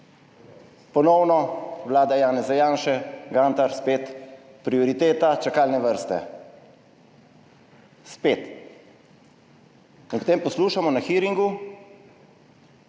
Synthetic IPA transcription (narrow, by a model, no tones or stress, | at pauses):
pɔnɔwnɔʋlaːd̪ajaːnɛzajaːnʃɛɡaːnt̪aɾspeːt̪ | pɾiɔɾit̪eːt̪at͡ʃakalnɛʋəɾst̪ɛ̰ | speːt̪ | inpɔ̥t̪eːmpɔsluːʃamɔnaxiɾiŋɡu